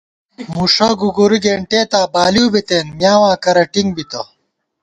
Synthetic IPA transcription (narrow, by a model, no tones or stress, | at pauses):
muːʂɐɡuɡuɾiɡeːɳʈeːt̪aːbaːliːbit̪eːnmjaːwãːkɐɾɐʈiŋɡbit̪ɐ